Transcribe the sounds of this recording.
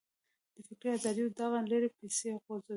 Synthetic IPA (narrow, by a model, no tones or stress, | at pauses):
d̪̥əfikeazɑd̪id̪aɣanleɾepeseɣoz